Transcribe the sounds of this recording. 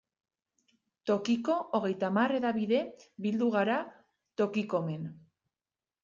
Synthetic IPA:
t̪o̞kiko̞oɣ̞e̞jt̪amare̞ðaβiðe̞βild̪uɣaɾa | t̪o̞kiko̞me̞n

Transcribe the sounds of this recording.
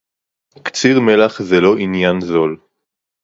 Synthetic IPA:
kt͡siʁmelaχzelo̞ʔinjanzo̞l

